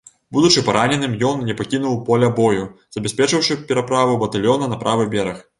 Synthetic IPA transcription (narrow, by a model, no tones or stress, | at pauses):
bud̪ut͡ʂɨpaɾanʲɛnɨmjɔnnʲɛpakʲinuwpɔlʲɐbɔjuz̥ɐbʲɐsʲpʲɛt͡ʂɨwʂɨpʲɛɾɐpɾavubɐt̪alʲjɔnɐnɐpɾavɨbʲɛɾɐx